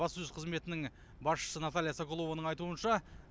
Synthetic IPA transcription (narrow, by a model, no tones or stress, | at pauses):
ɑsəʏzqʰəzme̞t̪ɪnɪŋ | bɑsʃə̥sənat̪alʲijasoko̞lˠo̞vonəɴɑjt̪uənʃɑ